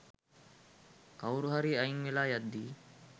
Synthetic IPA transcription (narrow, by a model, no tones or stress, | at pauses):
kawɾuɦaɾiːɐiŋʋilaːjɐd̪ːiː